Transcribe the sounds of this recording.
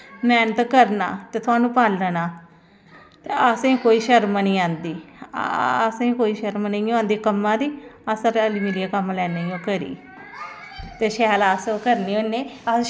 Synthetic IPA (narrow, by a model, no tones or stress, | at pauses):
mɛːnət̪kəɾna̰ːt̪eːt̪ʰʊaːnũːpaːlːənaː | t̪eːəsẽːkoːiːʃəɾmnəĩːãːnd̪iː | əsẽːkoːiːʃəɾmniːõãːnd̪iːkəmːãːd̪iːəsəɾəlimiːlijaːkəmlɛːneːjõːkəɾḭː | t̪eːʃɛːlaːskəɾniːonːeːə